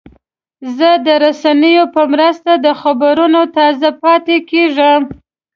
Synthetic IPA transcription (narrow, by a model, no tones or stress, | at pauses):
zəd̪əɾasanəjopəmɾəst̪ad̪əxabaɾunot̪ɑzapɑt̪ekeʐəm